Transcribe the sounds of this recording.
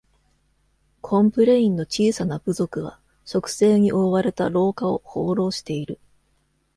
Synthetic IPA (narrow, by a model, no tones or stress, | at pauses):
kʰõ̞mpɯ̟ɾe̞ĩnːo̞t͡ɕiːsanab̥ɯ̟zo̞kɯ̟βa̰ | ɕo̞kɯ̟̥se̞ːɲ̟iʔo̞βaɾe̞t̪aɾo̞ːkao̞ho̞ːɾo̞ːɕi̥t̪e̞iɾɯ̟